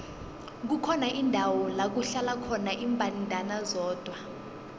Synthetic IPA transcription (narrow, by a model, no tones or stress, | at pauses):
k̬ukʰɔnaʔindʱawɔlak̬uɬalakʰɔnaʔiːmbʱantʼanazɔːd̥ʱwa